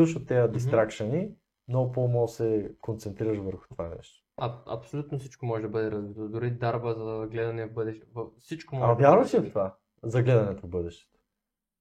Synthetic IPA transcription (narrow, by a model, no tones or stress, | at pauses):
uʃʊt̪ɛəd̪ist̪ɾakʃɐni | mnɔɡʊpomalˠsɛkont̪sɛnt̪ɾiɾəʃvəɾxʊ̥t̪ova̰nɛ̰ʃt̪o̥ɐɐ̰psolʲut̪nofsit͡ʃkomɔʒɛd̪ɐbɤd̪ɛɾɐzvit̪od̪ʊɾid̪aɾbəzɐɡlɛd̪ɐnɛvbɤd̪ɛʃt̪vsit͡ʃkomaɐvʲjaɾvɐʃift̪ova | zɐɡlɛd̪ɐnɛt̪ovbɤd̪ɛʃt̪ɛ̥t̪o̥